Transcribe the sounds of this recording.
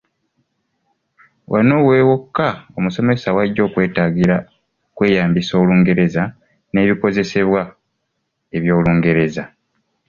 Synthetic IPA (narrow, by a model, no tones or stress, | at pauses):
wʔano̞weːwokːao̞muso̞mesawaɟːo̞ːkwe̞ːtaːɡiɾa | kwe̞ːjaːmbiso̞ːluːŋɡe̞ɾe̞za | ne̞ːβiko̞ze̞se̞βwa | e̞βjo̞ːluːŋɡe̞ɾe̞za